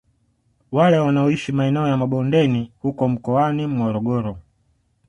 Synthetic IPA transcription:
walɛwanaɔiʃimaɛnɛɔjamaɓɔndɛnihukɔm̩kɔwanim̩wɔɾɔɡɔɾɔ

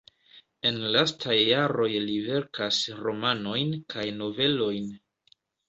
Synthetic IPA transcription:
e̞nlastʰajːaɾo̞jlive̞ɾkasɾo̞mano̞jnkʰajno̞ve̞lo̞jn

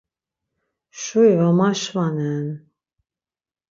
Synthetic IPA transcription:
ʃuivamaʃvanɛn

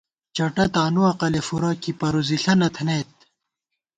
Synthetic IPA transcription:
t͡ɕɐʈɐt̪aːnuɐqɐlefuɾakipɐɾuziɬɐnɐt̪ʰneːt̪̚

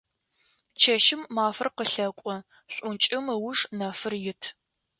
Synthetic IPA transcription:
t͡ʃʰɐʃɪmːaːfɨrqəɬɐkʷʼɔ | ɕʷʼʊnt͡ʃʼɪmɨwʊʂnɐfɨrjɪtʰ

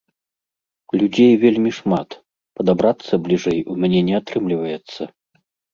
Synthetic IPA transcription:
lʲud͡zʲejvʲelʲmʲiʂmat̪ | pɐd̪abɾat̪sːɐblʲiʐɛjumʲanʲɛnʲɛat̪ɾɨmlʲivɐjɛt̪sːɐ

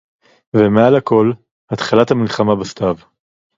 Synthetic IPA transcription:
vemealako̞l | hat̪χalat̪hamilχamabast̪av

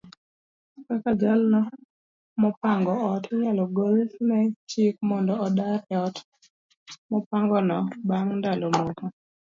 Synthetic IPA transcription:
kakad͡ʒalnɔ | mɔpaŋɡɔɔtɲalɔɡolnɛt͡ʃik̚mɔndɔːdaɾɔt | mɔpaŋɡɔnɔbaŋndalomoka

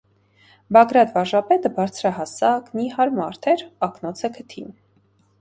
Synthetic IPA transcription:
bɑɡɾɑt̪vɑɾʒɑpɛt̪əbɑɾt͡sʰɾɑɦɑsɑknihɑɾmɑɾt̪ʰɛɾɑknɔt͡sʰɛkʰət̪ʰin

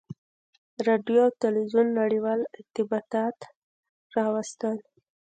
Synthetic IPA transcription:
ɾɑɖjoawt̪ɪlwizunːaɽiwɑlɪɾt̪ɪbɑt̪ɑt̪ | ɾɑwast̪əl

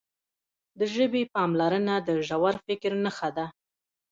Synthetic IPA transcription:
d̪əʒəbepɑmlaɾənad̪əʒawaɾfɪkɾnaxad̪a

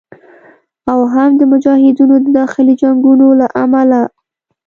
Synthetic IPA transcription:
awɦamd̪əmʊd͡ʒɑhɪd̪unod̪əd̪ɑxɪlid͡ʒaŋɡunolaʔamala

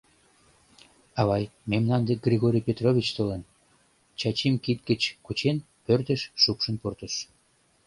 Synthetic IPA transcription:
ɑβɑjmemnɑnd̪ek̚ɡrʲiɣoɾʲijpʲet̪rovʲit͡ɕt̪olen | t͡ɕɑt͡ɕimkit̪̚ɡət͡ɕkut͡ɕen | pørt̪əʃːukʃə̆nport̪əʃ

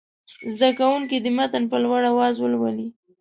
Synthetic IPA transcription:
zd̪akawuŋkid̪əmat̪anpəlwaɽawɑzwəlwali

